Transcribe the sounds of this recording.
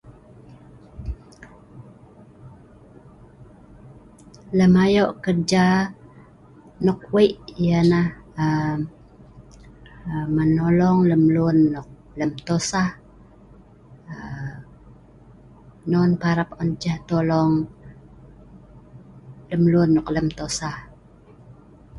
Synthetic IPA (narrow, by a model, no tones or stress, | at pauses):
ləmajoʔkərd͡ʒa | nɔk̚weʔijanahə | mənolɔŋləmlʊnːʊk̚ | ləmt̪osah | ə | nɔnpaɾapɔnd͡ʒaht̪olɔŋ | ləmlʊnːɔkləmt̪osah